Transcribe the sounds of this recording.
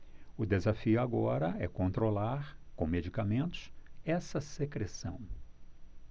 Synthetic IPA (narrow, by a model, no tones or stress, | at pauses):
ʊd̪ezafiʊaɡɔɾɐɛkõnt̪ɾolaɾkõmed͡ʒikamẽnt̪ʊ̥sɛsɐsekɾesɐ̰̃w̃